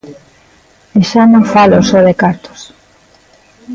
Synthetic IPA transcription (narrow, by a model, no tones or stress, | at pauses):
eʃanõŋfalosɔðekaɾt̪o̥s